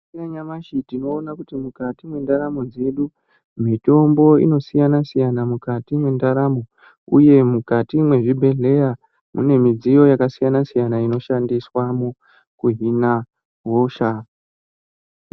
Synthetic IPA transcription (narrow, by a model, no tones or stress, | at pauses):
naɲamaʃitino̞ːnakutimukatimwe̞ndaɾamo̞d͡ze̞ɗu | mito̞mbo̞ḭno̞sijanasijanamukatimwe̞ndaɾamo̞ | ṵje̞mukatimwe̞ʐibʱe̞ɮe̞ja | mʔṵne̞mid͡zijo̞jakasijanasijanaino̞ʃandiswamu | kuɦina | ɦoʃa